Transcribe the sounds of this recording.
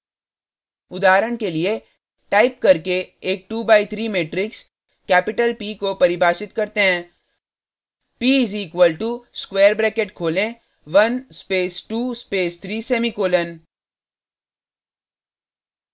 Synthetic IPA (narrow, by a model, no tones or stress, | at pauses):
ʊd̪aːɾəɽ̃kelie | ʈaːɪp̚kɐɾkeeːk̚ʈuːbaːɪt̪ʰɾiːmeːʈɾɪks | kɛːpɪʈəlpiːkopɐɾɪbʱaːʃɪt̪kɐɾt̪eɦɛ̃ː | piːɪziːkʋəlʈuskweːəɾbɾɛːkeʈkʰoːlẽ | ʋɐnspeːsʈuːspeːst̪ʰɾiːsɛːmikoːlən